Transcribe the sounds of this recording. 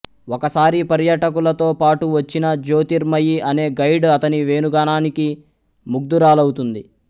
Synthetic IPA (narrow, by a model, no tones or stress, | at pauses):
ɔkɐsaːɾipɐɾjɐʈɐkulɐt̪o̞ːpaːʈuʋɐt͡ʃːinɐd͡ʒo̞ːt̪iɾmɐjiʔɐne̞ːɡɐjɖɐt̪ɐniʋe̞ːnuɡaːnaːniki | muɡ̚d̪uɾaːlɐwut̪und̪i